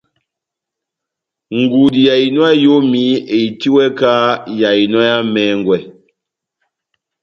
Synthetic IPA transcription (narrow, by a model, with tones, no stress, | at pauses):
ŋ̩˨ɡu˨di˨ja˨i˨nwa˦jo˦mi˨˦e˨i˨ti˦wɛ˦ka˦ja˨i˨nwɔ˦ja˦mɛ˦ŋ˨ɡwɛ˨